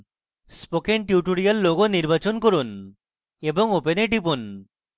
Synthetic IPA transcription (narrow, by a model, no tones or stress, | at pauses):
spokeɳʈjuʈoɾijalːoɡoniɾbat͡ɕonkoɾun | eboŋopeneʈip̬un